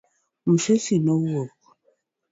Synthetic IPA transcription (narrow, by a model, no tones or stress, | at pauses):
m̩ʃesinɔwɔk̚